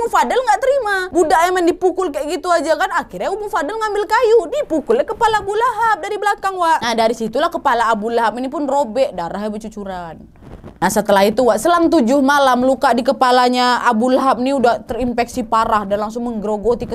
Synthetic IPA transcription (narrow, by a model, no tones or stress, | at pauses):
ʊŋfadalŋɡaʔt̪əɾimabudaʔjamɛndipukʊlkaʔɡit̪uad͡ʒakanakirɲaumʊŋfadalŋambɪlkajudipukʊljakəpalaːbulaɦap̚daɾibəlakaŋwaʔnahdaɾisit̪ulahkəpalaːbulaɦap̚inipʊnrobɛʔdaɾaɦabət͡ʃut͡ʃuɾan | nahsət̪əlaɦit̪uwaʔsəlamt̪̬ud͡ʒʊhmalamlukaʔdikəpalaɲaabulaɦap̚niudaht̪ərimpɛksipaɾahdanlaŋs̬ʊŋməŋɡɾoɡot̪ikə